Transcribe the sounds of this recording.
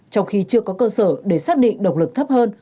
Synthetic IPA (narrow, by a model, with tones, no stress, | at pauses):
t͡ɕɔ˧wŋ͡mxi˧t͡ɕɨ˧əkɔ˨˦kəː˧səː˧˩ɗe˧˩saː˦˥k̚ɗḭ˧˨ŋ̟ɗə˨˩wk͡p̚lɨ˨˩k̚t̪ʰə˦˥p̚həː˧n